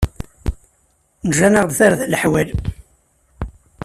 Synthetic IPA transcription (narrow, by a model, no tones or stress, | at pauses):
nəʒænəʁd̪θaɾðləħwæl